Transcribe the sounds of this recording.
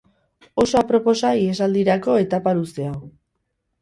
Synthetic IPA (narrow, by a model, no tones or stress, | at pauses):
o̞soapɾo̞po̞saie̞s̬ald̪iɾako̞e̞t̪apaɾust̪e̞aw